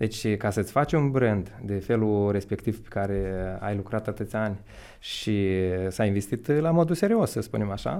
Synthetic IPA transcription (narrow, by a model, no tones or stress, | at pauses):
d̪̥e̞t͡ʃʲkasət̪sʲfat͡ʃunbɾɨnd̪d̪e̞fe̞luɾe̞spe̞kt̪iv̥pe̥kaɾe̞a̰jlukɾat̪at̪ɨt̪sʲanʲ | ʃisainve̞st̪it̪lamo̞d̪use̞ɾio̞sːəspṵnemaʃa̰